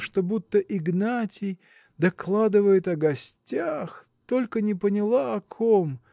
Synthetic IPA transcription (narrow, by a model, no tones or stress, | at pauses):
ʂt̪obut̪ːəʔɪɡnatʲɪj | d̪ɐklˠad̪ɨvəjɪt̪ɐɡɐsʲtʲax | t̪o̞lʲkənʲɪpənʲɪlˠaɐkʰom